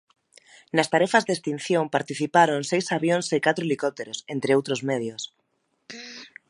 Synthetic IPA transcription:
nast̪aɾɛfazðest̪in̟θjõmpaɾt̪iθipaɾoŋsejsaβjonsekat̪ɾoelikɔp̚t̪eɾosent̪ɾɪowt̪ɾozmeðjos

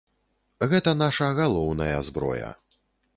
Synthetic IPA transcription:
ɣɛt̪ɐnaʂɐɣalˠɔwnɐjɐ̰zbɾɔ̰jɐ̰

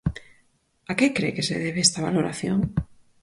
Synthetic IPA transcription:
akekɾekeseðeβeest̪aβa̰loɾa̰θjoŋ

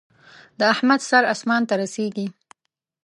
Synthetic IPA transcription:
d̪əahmad̪saɾasmɑnt̪aɾaseɡi

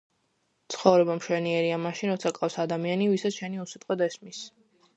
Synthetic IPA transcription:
t̪sʰχɔvɾɛbamʃwɛniɛɾiamaʃinɾɔt̪sʰakʼafsad̪amianivisat̪sʃɛniusit̪ʼqʼwɔd̪ɛsmis

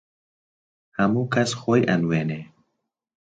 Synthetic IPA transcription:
hamuːkʰasxojʔa̰nweːne

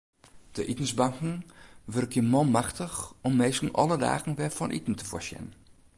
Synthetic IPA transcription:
d̥əʔitən̩zbaŋkŋ̩ʋørkʰjəmɔlmaxtəxɔmːeːskn̩ʔɔ̰lˠəda̰ːɣn̩ʋɛfɔnʔḭtn̩tə̥fɔ̰sjə̰n

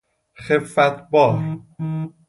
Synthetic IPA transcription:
xefæt̪ʰbɒːɾ

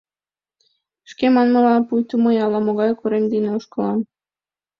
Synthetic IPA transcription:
ʃkemɑnməlɑpujt̪umojɑlɑmoɣɑjkuɾemd̪inelʃkolɑm

